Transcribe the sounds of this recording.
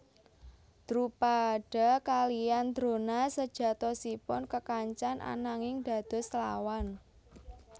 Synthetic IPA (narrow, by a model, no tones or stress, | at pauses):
d̪̥ɾupaɖ̥a̤kalijand̪̥ɾo̤nasəd̥ʒ̥ä̤t̪ɔsipʊnkəkaɲt͡ʃanʔa̰naŋɪŋd̪̥ä̤d̪̥ɔ̤sla̰wan